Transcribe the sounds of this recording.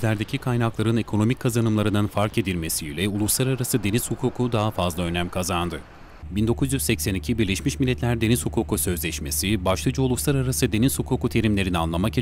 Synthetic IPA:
lʲæɾd̪ecʰikʰajnaklˠaɾɯne̞kʰo̞no̞mic̚kʰːazanɯmlˠaɾɯnd̪anfaɾke̞d̪ilʲme̞siːlʲɛulˠuslˠaɾaɾasɯd̪e̞niz̥hukʰuːkʰud̪aɦafazlˠaø̞næmkʰazand̪ɯ | bind̪o̞kʰuzjyzsɛcsɛnicʰibiɾlʲeʃmiʃmilʲːɛt̪lʲæɾd̪e̞niz̥hukʰuːkusø̞zlʲɛʃme̞sibaʃlˠad͡ʒɯulˠuslˠaɾaɾasɯd̪e̞niz̥hukʰuːkut̪ʰe̞ɾimlʲe̞ɾinianlˠamak

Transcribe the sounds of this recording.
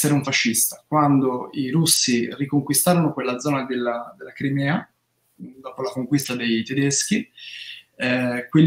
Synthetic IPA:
eɾeuɱfaʃːist̪akwand̪oiɾusːirikoŋkwist̪aːɾonokwelːad̪zɔːnad̪elːad̪elːakɾimɛːa | d̪ɔːpolakoŋkwist̪ad̪ejt̪ed̪esk̟i | ɛkwel

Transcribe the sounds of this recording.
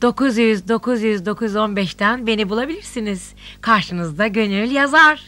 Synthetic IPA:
d̪̥o̞kuzjyzd̪o̞kʰuzjyzd̪o̞kʰuzo̞nbɛʃt̪ænbe̞nibulˠabilʲiɾsiniz̥ | kʰaɾʃɯnɯzd̪aɟø̞nylʲjazaɾ̥

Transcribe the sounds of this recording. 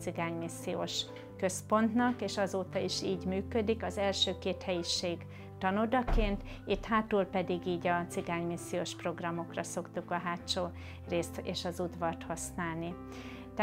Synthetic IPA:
siɡaːɲmisːijoːʃ | kø̞spo̞nt̪nɒkeːʃɒzoːt̪ɒiʃiːɟmyːkød̪ikɒzɛlʃøːkeːt̪hɛjiʃeːɡ | t̪ɒnod̪ɒkeːnt̪ | it̪haːt̪uːlpɛd̪iɡiːɟɒt̪siɡaːɲmisːijoːʃpro̞ɡrɒmo̞krɒso̞kt̪ukɒɦaːt͡ʃoː | reːst̪eːʃɒzud̪vɒrt̪hɒsnaːlni | t̪

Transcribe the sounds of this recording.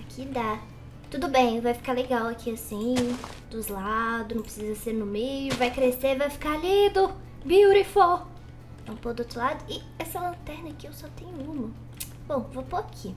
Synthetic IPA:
akʰid̪a | t̪ud̪ʊbẽj̃vajfi̥kaleɡawakʰiasĩ | d̪ʊzlad̪ʊznɐ̃w̃pɾesizɐseɾnʊmejʊvajkɾesevajfi̥kalid̪ʊ | biuɾifo | ɛũpod̪ʊot̪ɾʊlad̪ʊɪ | ɛsɐlɐ̃t̪ɛɾnɐkɪewsɔt̪ẽɲʊũmɐ | b̥õw̃vopoɾakʰi

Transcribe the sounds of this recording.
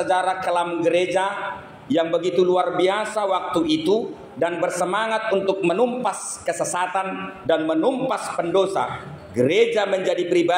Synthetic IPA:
əd͡ʒaɾakəlamɡəɾed͡ʒa | jaŋbəɡit̪uluarbiasawak̚t̪uit̪u | danbərsəmaŋat̪̚unt̪ʊk̚mənumpas | kəsəsat̪andanmənumpaspəndosa̰ | ɡəɾed͡ʒaməɲd͡ʒadipɾiba

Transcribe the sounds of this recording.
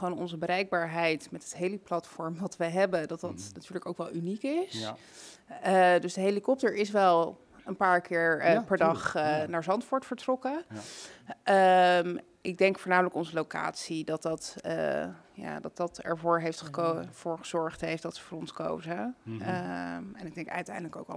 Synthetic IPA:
χʋoːnɔ̰nzəbəɾɛjɡ̚baːɹɦɛjtmɛtɦətɦejliplɑtfɔɹmʋɑtʋəjɦɛbədɑt̚dɑtnatyːɹləko̰wkʋɛlˠynikɪs | ədɵsdəɦejlikɔp̚təɹɪs̬ʋɛlˠ | ənpaːɹkɪːɹpɛɹdɑχnaːɹzɑntfʊːɹtfəɹtrɔkə | ʔəm | ʔɪɡ̚dɛŋkfʊːɹnaːmələkɔnzəlowka̰ːtsidɑt̚dɑt | ja̰ːdɑt̚dɑtɛ̰ɹvʊːɹɦejftχə̥kov̥ʊːɹχəz̥ɔɹχtɦejftdɑtsə̥vʊːɹɔnsko̰wzəəɛnɪɡ̚dɛŋkɛœ̰ɥtɛ̰jndələko̰wk

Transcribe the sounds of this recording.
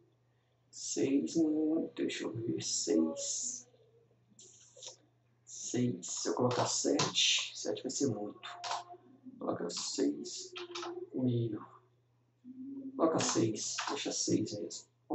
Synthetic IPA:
sejzñt̪ejʃoveɾsejs | sejsḛwkolɔkasɛt͡ʃɪ̥sɛ̰t͡ʃɪ̥vajsemũj̃t̪ʊ̥ | kolɔ̰kasejs | mijʊ | kolɔkasejseʃasejsmezmʊ

